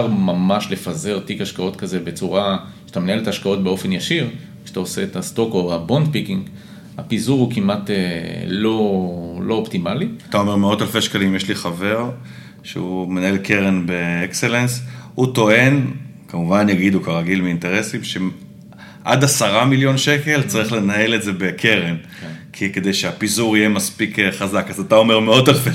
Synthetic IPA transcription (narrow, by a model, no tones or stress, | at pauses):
ʁmamaʃle̞faze̞ʁtikaʃkao̞tkazebe̞t͡suʁa | e̥ḁt̪amenae̞let̪aaʃkao̞t̚be̞o̞fe̞njaʃiʁ | ʃeḁt̪aose̞ːtast̪o̞koabo̞nd̪̚pikiŋɡ | apizuʁhukimatelo̞lo̞optimaliat̪ao̞me̞ʁmeo̞talfeʃkalimjeʃliχave̞ʁ | ʃḛume̞naelkʰeʁenbe̞ekse̞lenshuto̞e̞n | kamuvanjaɡid̪ukaʁaɡilmiinteʁe̞simʃe | ʔad̪asaʁamiljo̞nʃe̞ke̞lt͡saʁiχle̞nae̞le̞tze̞bekʰe̞ʁen | kʰike̞d̪e̞jʃeapizuʁijemaspikeχazakazatao̞me̞ʁme̞o̞talfe